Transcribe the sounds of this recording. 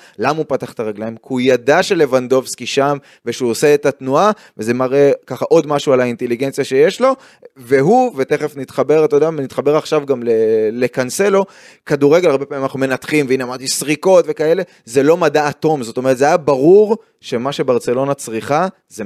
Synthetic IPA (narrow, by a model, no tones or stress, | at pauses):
lamaupat̪aχt̪aʁaɡlaimkeujad̪aʃe̞le̞vand̪o̞vskiʃam | veʃeuose̞ːt̪at̪nua | veze̞maʁe̞kaχaʔo̞d̪maʃualaint̪e̞liɡent͡sjaʃejeʃlo̞ | ve̞ɦuve̞t̪eχe̞fnit̪χabe̞ʁatod̪avnitχabe̞ʁaχʃavɡamlele̞kanse̞lo̞ | kad̪uʁe̞ɡelaʁbe̞pamimanaχnume̞nat̪χimveinamaʁt̪isʁiko̞t̪ve̞kae̞le̞ | ze̞lo̞madaːto̞mzo̞t̪ome̞et̪zeajabaʁuʁ | ʃe̞maʃe̞baʁt͡se̞lo̞nat͡sʁiχa | ze